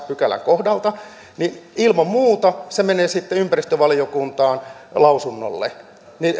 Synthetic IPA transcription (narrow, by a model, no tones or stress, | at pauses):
pykælæ̰ŋkohdɑlt̪ɑ | ninilmɑmmuːt̪ɑsemeneːsit̪ːeympærist̪øʋɑlijokunt̪ɑːnlɑusunːo̰lːḛ | ni